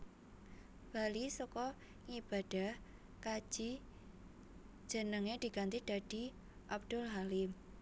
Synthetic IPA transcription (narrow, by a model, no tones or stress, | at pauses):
b̥alisɔkɔ | ŋib̥a̤d̥a̤h | kḁʒ̥i | d͡ʒ̥ə̤nəŋed̪̥i̤ɡ̥a̤nt̪id̥a̤d̥i̤ | ʔab̚d̪̥ʊlɦalim